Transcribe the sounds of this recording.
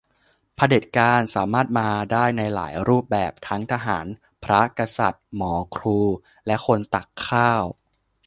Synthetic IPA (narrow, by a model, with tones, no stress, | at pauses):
pʰa˧de˨˩t̪̚kaː˧nsaː˩˦maː˥˩t̪̚maː˧daː˥˩jna˧jla̰ː˩˦jɾuː˥˩p̚bɛː˨˩p̚t̪ʰa˦˥ŋt̪ʰa˧ɦaː˩˦n | pʰɾa˦˥ka˧sa̰˨˩t̪̚mɔː˩˦kʰɾuː˧ | lɛ˦˥ʔkʰo˧nt̪a˨˩kʰːaː˥˩w